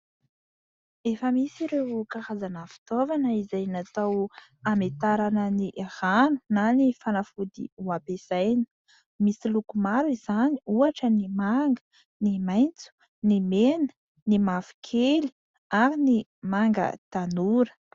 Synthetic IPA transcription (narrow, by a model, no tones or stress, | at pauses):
efəmisiɾewkahazanəfi̥t̪ovanəizajnat̪awamet̪aɾanəniʔhanu̥nanifanafud̪ḭuapesajnə̥ | misilukumaɾiz̥aniuaʈ͡ʂənimaŋɡə̥ | nimajnt͡su̥ | nimenə̥ | nimafi̥kʰeli̥ | aɾinimaŋɡə̰t̪anuɾə̥